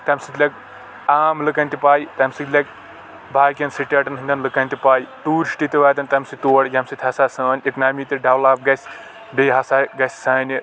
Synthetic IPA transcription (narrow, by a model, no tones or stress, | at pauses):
t̪ɐmʲsɨt̪ʰʲlʲɐk̚ | aːmlɨkɐnʲt̪ipaːjt̪ɐmsɨt̪lʲɐk̚ | bʱaːkʲjɐnsɨʈʲaʈɐnɦɨnʲd̪ɐnlɨkɐnʲt̪ipaːjʈuːɾʃʈit̪iʋaːt̪̬ɐnt̪ɐmsɨt̪oːɽjɐmsɨt̪ʰʲɦɐsaːsɐːnʲeknaːmit̪iɖɐwlaːp̚ɡɐsʲ | beːɦɐsaɡɐsʲsaːni